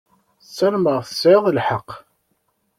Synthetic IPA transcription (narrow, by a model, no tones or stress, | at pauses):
θsːælməʁθəsʕeðˤəlħəqː